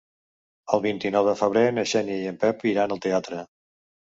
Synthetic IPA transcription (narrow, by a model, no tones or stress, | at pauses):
əlˠβint̪inɔwðəfəβ̞ɾenəʃɛnjəjəmpɛpiɾanəlˠt̪eat̪ɾə